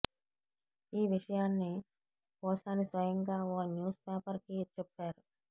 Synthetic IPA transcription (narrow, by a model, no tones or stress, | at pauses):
iːʋiʂɐjaːnːi | pɔːsaːnisʋɐjɐŋɡaːɔkɐnjuːspeːpɐɾkit͡ʃɛpːaːɾu